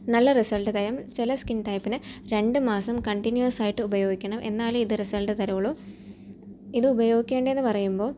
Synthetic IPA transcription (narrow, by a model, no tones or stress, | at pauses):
nɐlːɐrisɐlʈɨt̪ɐɾɐmt͡ɕilɐskinʈɐjpːinɨɾe̞ɳɖɨmaːsɐmkɐɳʈinjuɐsaːjiʈːɨubɐjo̞ːɡikʲːɐɳɐmʔe̞̰nːaːluiðɨrisɐlʈɨt̪ɐɾɐʋɐɭu | iðɨubɐjo̞ːɡikʲːe̞ːɳɖɐe̞nːɨpɐrɐjumbo̞ː